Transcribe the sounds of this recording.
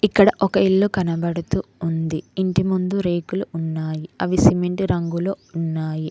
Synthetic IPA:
ikːɐɽɐʔɔkɐiɭːukɐnɐbɐɽut̪uːnd̪iːɳʈimund̪uɾe̞ːkuluːnːaːjiɐʋisimeɳʈɾɐŋɡuloːunːaːji

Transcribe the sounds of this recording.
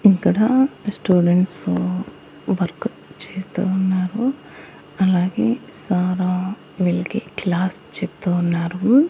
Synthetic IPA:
ikːɐɽɐsʈuːɖeɳʈs | ʋɐɾku | t͡ʃeːst̪unːaːɾu | ɐlaːɡeːsaːɾaː | ʋiɭɐkiklaːs | t͡ʃept̪uːunːaːɾu

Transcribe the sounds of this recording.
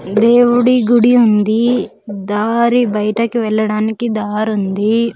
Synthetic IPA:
d̪eːwuɽiɡuɽiund̪i | d̪aːɾibɐjɐʈɐkiʋɛɭːɐɽaːnikid̪aːɾund̪i

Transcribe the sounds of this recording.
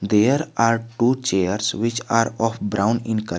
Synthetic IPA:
d̪eɾaːɾʈuːt͡ʃeəɾsʋɪt͡ʃaːɾɔːfbɾãʊ̃nɪ̃nkə

